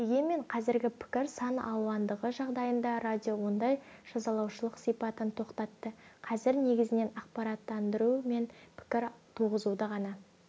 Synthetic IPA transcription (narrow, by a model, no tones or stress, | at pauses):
d̪e̞ɡʲe̞nme̞ɴqʰɑzɪɾɡʲɪpʰɪ̥kʲɪɾsɑnɑwɑnd̪əʁəʒɑʁd̪ɑjənd̪ɑrad̪ʲijo̞wo̞nd̪ɑjʒ̥ɑzɑlˠɑwʃəlˠəqsijpɑt̪ənt̪ʰo̞qt̪ɑt̪ːəqʰɑzɪɾne̞ɡʲɪzɪne̞nɑqpɑɾɑt̪ːɑnd̪əɾume̞npʰɪ̥kʲɪɾt̪ʰuʁəzud̪əʁɑnɑ